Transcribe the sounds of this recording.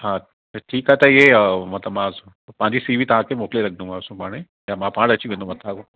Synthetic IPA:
ɦaː | ʈʰiːkaɦɛt̪ɐɪɦemɐt̪ləmãs | pɐ̃ɦɲd͡ʑisiːʋit̪ɐʋ̤ãkʰemoːkleɾɐkʰd̪ũɡãʊsũpaːɽ̃e | jaːmãpãːɽ̃ɐt͡ɕʰiʋẽːnd̪õmɐt̪ako

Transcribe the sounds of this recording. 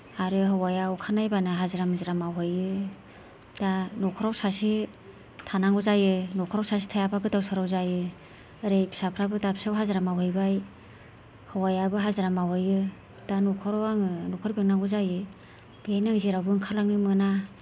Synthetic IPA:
aɾɯɦɯwajawkʰanajbanɯɦaziɾamzɾamawɦɯjɯ | d̥anɔkʰɔɾawsasi | tʰanaŋɡɔzajɯnɔkʰɔɾawsas̬i̥tʰajapʰaɡɯtawsɯɾawzajɯ | ɾejpsapʰɾabɯdapsawɦazɾamawhɯjbaj | hɯwajabɯɦazaɾamawhɯjɯ | d̥anɔkʰɔɾawaŋɯnɔkʰɯɾbiŋnaŋɡɔzajɯ | b̥iajnaŋziɾawɡɯŋkʰalaŋnɯmɯna

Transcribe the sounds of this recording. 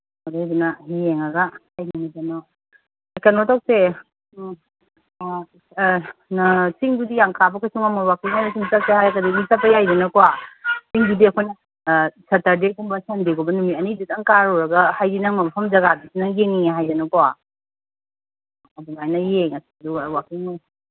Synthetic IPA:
odajdunɐhieŋɐɡahajnumitano | kanotawk̚se | nsiŋdudijaŋkʰabɐkʰasuŋamɐwak̚tinajnɐsimsap̚sehajkɐdiɡumsapːɐjajdɐnɐkowasiŋdudiɐkʰojnɐ | sɐtɐɾdekumbɐsandeɡobɐnumiɐnidutaŋkaɾɔɾɐɡɐhajdinɐŋmɐpʰɐmd͡ʒɐɡadisinɐŋjeŋiŋeɦajdɐnɐkɔwa | ɐduŋajnɐjeŋɐsiduwakiŋna

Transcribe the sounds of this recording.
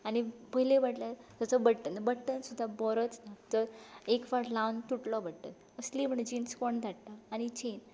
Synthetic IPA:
añipəɦilẽʋaʈlat̪əsəbəɽʈ̪ənbəɽʈənsud̪ʱːabɔɾət͡snat̪əɾekʋaʈlawnt̪uʈlɔbəɽʈ̪ə̰t̪ | əslim̤əɳd͡ʑinskoɳd̪ʱaʈtaːɽ̃it͡ɕen

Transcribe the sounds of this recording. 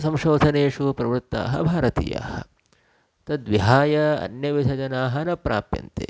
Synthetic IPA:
sɐmʃoːd̪ʱɐneːʂupɾɐʋɾut̪ːa̰ːɦɐ̰bʱaːɾɐt̪ḭːja̰ːhɐ̰̆ | t̪ɐd̪ʋiɦaːjɐɐ̰njɐʋid̪ʱɐd͡ʒɐnaːɦɐnɐpɾaːpjɐ̰nt̪ḛː

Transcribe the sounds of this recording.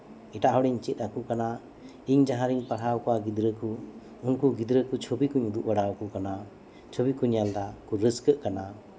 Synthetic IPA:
iʈaʔɦɔɽiɲt͡ʃit̪̚ˀɾakukana | iɲd͡ʒaɦaɾiŋpaɽɦawkwaɡid̪ɾəkʰu | uŋkuɡid̪ɾəkut͡ʃʰɔbikuɲud̪uʔwaɽawkukana | t͡ʃʰɔbikuɲjald̪akuɾəskəʔkana

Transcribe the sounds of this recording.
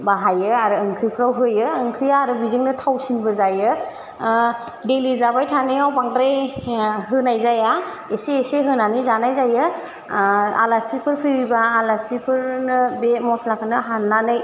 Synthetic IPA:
baɦajɯaɾɯːŋkʰɾipʰɯɾawɦɯjɯːŋkʰɾijaːɾɯbiziŋnɯtʰawsinbɯzajɯ | delizabajtʰanɯawpaŋdɾejɦɯnajzaja | eseːseɦɯnanizanajzajɯ | a̰lasipʰɯɾpʰɯjbibaːlasipʰɯɾnɯbemɔslakʰɯnɯɦanːanɯj

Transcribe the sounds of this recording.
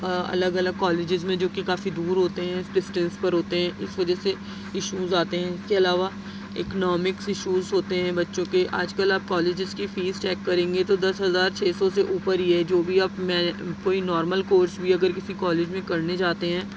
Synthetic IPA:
ɐ̰ləɡɐləɡ̚kɔːleːd͡ʒɪzmẽd͡ʒoːkikaːfid̪uːɾɦoːt̪eɦɛ̃ɪsɖɪsʈə̃nspɐɾɦoːt̪eɦɛ̃ʔɪsʋɐd͡ʒəse | ɪʃuːzaːt̪eɦɛ̃ɪskeɐlaːʋa | ɪ̰knɔːmɪksɪʃuːzɦoːt̪eɦɛ̃bɐtːʃõkeʔaːd͡ʒkəlaːp̚kɔːleːd͡ʒɪzkifiːzt͡ʃɛːkːɐɾẽːŋɡet̪od̪ɐsɦɐzaːɾt͡ʃʰeːsɔseʔuːpəɾiɛd͡ʒoːbʱiaːpmɛ̃ːkoːinɔːɾməlkoːɾsbʱiɐɡəɾkɪsikɔːleːd͡ʒmẽkɐɾned͡ʒaːt̪eɦɛ̃ː

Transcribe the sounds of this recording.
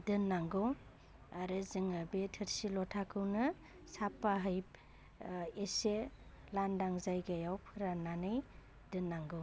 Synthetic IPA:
dɯnːaŋɡɯw | aɾɯzɯŋabetʰɯɾsilɔtʰakʰɯwnɯ | sapːaɦɯjp | ese | landaŋzajɡajawpʰɯɾananɯj | dɯnːaŋɡɯ

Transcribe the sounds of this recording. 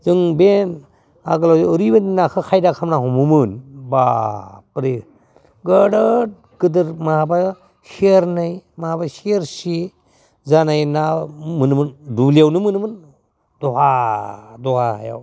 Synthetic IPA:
zɯŋben | aɡɯlawziːɾibaninakʰɯkʰajdakʰamnaɦumumɯnbapɾe | ɡəɽət̚ | ɡ̥ɯdɯɾmaɦaba | siɾnajmaɦabasiɾsi | zanajnamɯnmɯndulijawnɯmɯnmɯn | dɔɦa | dɔhaha̰ja̰w

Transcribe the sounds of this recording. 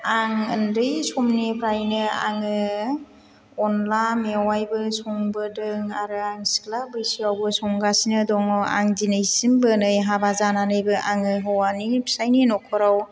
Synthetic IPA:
aŋɯ̰ndɯjsɔmnipʰɾajnɯa̰ŋɯ | ɔnlameawajbɯsɔŋbɯdɯŋaɾɯaŋsi̥klabɯjsiawbɯsɔŋɡasinɯdɔŋa̰ŋzinɯjsimbɯnɯjɦabazananɯjbɯʔaŋɯɦɯwanipʰi̥sajninɔkʰɔɾaw

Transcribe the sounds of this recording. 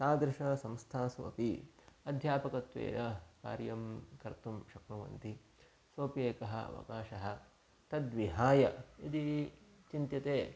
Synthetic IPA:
t̪aːd̪ɾɪʂɐsɐ̃mst̪ʰaːsʋo̰piɐd̪ʱjaːpɐkɐt̪ʋḛːɾɐka̰ːɾjɐmkɐɾt̪umʃɐknuʋɐ̰nt̪i | sʋoːpieːkɐɦɐ̰ʋɐ̰kaːʃɐɦɐ̆ | t̪ɐd̪ʋiɦaːjɐid̪it͡ʃint̪jɐt̪eː

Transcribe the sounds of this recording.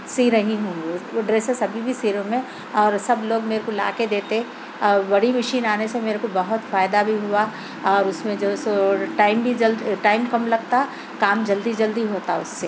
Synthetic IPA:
siːɾɐɦiɦõːŋɡiɖɾeːsesɐbʱibʱisiːɾõmẽ | ɔːɾsɐbloːɡmeːɾekola̰ːked̪eːt̪eɛ̃ | ɔːɾbɐɽ̤imɐʃiːnaːnesemeːɾekobɐɦʊt̪faːjd̪abʱiɦua | ɔːɾʊsmẽd͡ʒoːsʈaːɪmbʱid͡ʒɐlʈaːɪmkɐmlɐɡt̪aɦɛ | kaːmd͡ʒɐld̪id͡ʒɐld̪iɦoːt̪aɦɛʊsːeː

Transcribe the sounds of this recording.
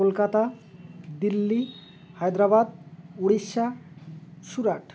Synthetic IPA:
olkat̪a | d̪ilːi | hajd̪ɾaβad̪oɽiʃːa | suɾaʈʰ

